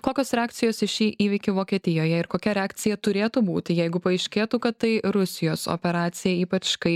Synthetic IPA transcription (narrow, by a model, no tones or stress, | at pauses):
koːkʲoːsɾʲɛaːk̚tsʲɪjoːsɪʃʲiːʔʔiːʋʲiːkʲʊʋoːkʲiɛt̪ʲɪjoːjɛɪɾkoːkʲɛɾʲɛaːkt̪ʲɪjɛt̪ʊɾʲeːt̪ubuːt̪ʲɪjɛɪɡʊpɐɐɪʃʲkʲeːt̪uːkɐt̪tːɐɪɾʊsʲɪjoːso̰ːpʲɛɾɑːt̪sʲɪjɛiːpɐt͡ʃkɐɪ